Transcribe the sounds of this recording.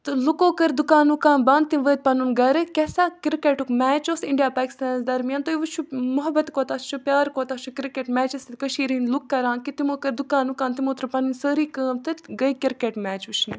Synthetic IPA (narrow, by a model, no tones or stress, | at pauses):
t̪ɨlukoːkəɾd̪ʊkaːnukaːnbaːnt̪imʋəːt̪̚pɐnunɡɐɾɨkɛsaːkɪɾkeːʈukmɛːt͡ʃoːsɪɳɖijaːpaːkɪ̥st̪aːnzd̪ɐɾmjaːnt̪oiʋut͡ʃʰumʊɦɐbɐt̪koːt̪ast͡ʃʰupjaːɾkoːt̪aːt͡ʃʰukɾikeːʈmɛːt͡ʃɐsit̪kɐʃiːɾinlukːɐɾaːnkit̪imoːkəɾd̪ukaːnukaːnt̪imoːt̪ɾɨpɐninsəːɾiːkəːmt̪ɨɡɐikɪɾkeːʈmɛːt͡ʃut͡ʃʰni